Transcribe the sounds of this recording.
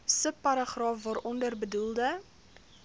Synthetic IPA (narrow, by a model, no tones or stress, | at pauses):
səpːɐɾɑχrɑːfvɑːɾʔɔndərbədulˠdə